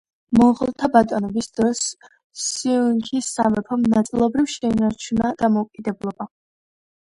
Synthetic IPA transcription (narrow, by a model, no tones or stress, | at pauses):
mɔʁlˠt̪ʰabat̪ʼɔnɔbisd̪̥ɾɔsː | iuŋkʰisamɛpʰɔmnat̪sʼilˠɔbɾivʃɛinaɾt͡ʃʰunad̪̥amɔukʼid̪ɛblˠɔba